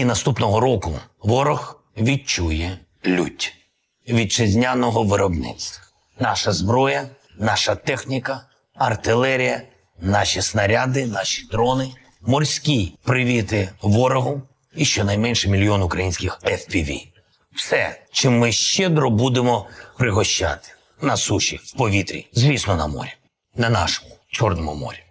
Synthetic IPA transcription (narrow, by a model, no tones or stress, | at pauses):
inɐst̪upnɔɦɔɾɔkʊ̰ʋɔɾɔx | ʋʲid̚t͡ʃujɛ | lʲutʲ | ʋʲid̚t͡ʃɪzʲnʲanɔɦɔʋɪɾɔbnɪ̰t͡s̪ʲ | nɑʃɐzbɾɔjɐ | nɑʃɐt̪ɛxnʲikɐ | ɐrt̪ɪlˠɛɾʲijɐ | nɑʃisnɐɾʲad̪ɪnɑʃʲi̥d̪ɾɔnɪ | mɔrʲsʲkʲijpɾɪʋʲit̪ɪʋɔɾɔɦʊ | iʃt͡ʃɔnɐjmɛnʲʃɛmʲilʲijɔnʊkɾɐjinʲsʲkʲɪxɛfpʲiʋʲḭ | w̥sɛt͡ʃɪmːɪʃt͡ʃɪd̪ɾɔbud̪emɔpɾɪɦɔʃt͡ʃa̰t̪ɪ̥ | nɐsuʃʲḭwpɔʋʲit̪ɾʲḭzʲʋʲisnɔnɐ̰mɔ̰ɾʲi | nɐnɑ̰ʃɔ̥mʊt͡ʃɔrnɔmʊmɔ̰ɾʲi